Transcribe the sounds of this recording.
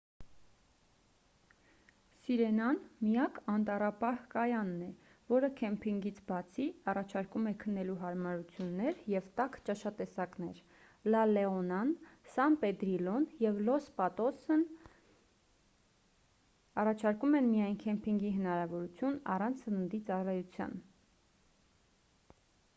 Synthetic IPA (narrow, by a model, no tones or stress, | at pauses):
siɾɛnɑnmijɑkɑnt̪ɑrɑpɑhkɑjɑnːɛ | vɔɾəkʰɛmpʰiŋɡit͡sʰbɑt͡sʰiɑrɑt͡ʃʰɑɾkumɛkʰənːɛluɦɑɾmɑɾut͡sʰjunːɛɾjɛvt̪ɑkʰt͡ʃɑʃɑt̪ɛsɑknɛɾ | lɑlɛɔnɑnsɑmpɛd̪ɾilɔnjɛvlɔspɑt̪ɔsən | ɑrɑt͡ʃʰɑɾkumɛnmijɑjnkʰɛmpʰiŋɡiɦənɑɾɑvɔɾut͡sʰjunɑ̰rɑnt͡sʰsənənd̪it͡sɑrɑjut͡sʰjɑ̰n